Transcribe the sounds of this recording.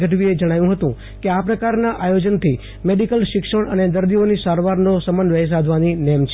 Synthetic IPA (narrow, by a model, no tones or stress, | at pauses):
ɡəʈʋied͡ʒəɽ̃ajũɦət̪ũ | keapɾəkaɾnaʔajod͡ʒənt̪ʰi | meɖikəlʃɪkʂəɳ̃əned̪əɾd̪ionisaɾʋaɾnosəmənʋəɦs̬ad̪ʱʋaninɛmt͡ʃʰ